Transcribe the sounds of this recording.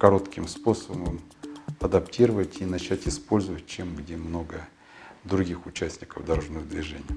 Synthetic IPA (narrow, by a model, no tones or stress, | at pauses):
kɐɾo̞t̪kʲɪmspo̞səbəm | ɐd̪ɐptʲiɾəvətʲinɐt͡ɕætʲɪspo̞lʲzəvət̚ʲt͡ɕemɡdʲemno̞ɡə | d̪ɾʊɡʲixʊt͡ɕæsʲnʲɪkəvd̪ɐɾoʐnəjəd̪vʲɪʐɛnʲɪj